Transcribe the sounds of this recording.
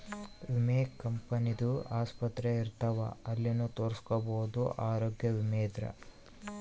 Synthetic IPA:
ʋimeːkːɐmpɐnid̪uaːspɐt̪ɾeiɾt̪ɐʋɐ̰ɐlːinːut̪oːɾiskɔbɐwud̪uʔaːɾoːɡjɐʋimeːd̪ɾɐ̰

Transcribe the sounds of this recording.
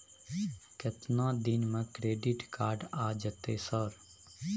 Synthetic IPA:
kət̪nãːd̪inmə̃kɾeːɖiːʈkaːɾɖaːd͡ʒət̪eːsəɾ

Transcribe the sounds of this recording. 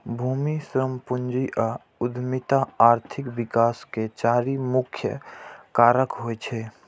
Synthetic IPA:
bʱuːmisɾəmpund͡ʒiʔa | ʊd̪ʱmit̪aaːɾt̪ʰɪkbɪkaːsket͡ʃaːɾimʊkʰjə̰kaːɾəkɦoɛt͡ʃʰɛ

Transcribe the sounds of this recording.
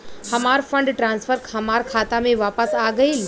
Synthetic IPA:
hɐmaːɾfʰə̃ɳɖʈɾãːnsfʰəɾkʰɐmaːɾkʰaːt̪amẽʋaːpəsaːɡɐiːl

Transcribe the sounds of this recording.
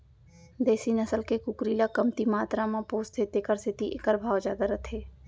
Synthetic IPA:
d̪eːsinəsəlkekʊkɾiːlakəmt̪imaːt̪ɾamãpoːst̪ʰeːt̪ekəɾsɪt̪iʔḛkəɾbʱaːwd͡ʒaːd̪aɾət̪ʰeː

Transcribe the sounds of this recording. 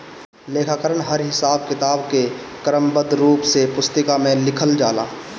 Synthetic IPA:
leːkʰaːkəɾəɳɦəɾɦɪsaːbkɪt̪aːbkekɾəmbəd̪ɾuːpsepʊst̪əkamẽlɪkʰəld͡ʒaːla̰ː

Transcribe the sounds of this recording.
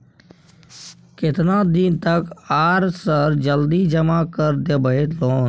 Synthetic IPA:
kɪt̪nãd̪int̪əkaːɾsəɾd͡ʒəld̪id͡ʒəmakəɾd̪jəbəet̪loːn

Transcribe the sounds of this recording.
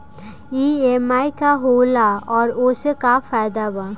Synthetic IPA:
iːemaːikaɦoːlaɔːɾosekafaːjd̪aba

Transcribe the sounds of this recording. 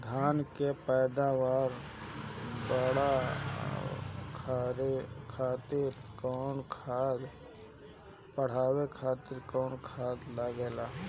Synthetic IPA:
d̪ʱaːnkepɛːd̪awaːɾ | bəɽa | kʰɾkʰaːt̪ɪɾkɔːnkʰaːd̪ | pəɽ̤aːwekʰaːt̪ɪɾkɔːnkʰaːd̪ləɡeːlaː

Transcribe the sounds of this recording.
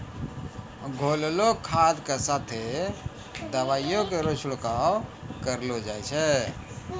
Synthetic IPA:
ɡʱollokʰad̪kesat̪ʰe | d̪əʋajjõkeɾot͡ʃʰʊɽkawkəɾlod͡ʒajt͡ʃʰɛ

